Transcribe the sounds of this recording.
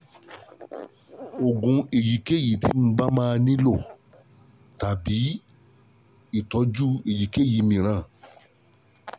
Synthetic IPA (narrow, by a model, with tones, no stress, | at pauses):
o˨ɡũ˧e˨ji˨˦ke˦˨ji˨˦tʰi˦mũ˧˦ɡ͡ba˦mãː˦˧nĩ˦lo˦˨ | ta˨bi˨˦ | i˦˨tɔ˨˦d͡ʒu˦e˨ji˨ke˦˨ji˨˦mĩ˧˨ɾ̃ã˦˨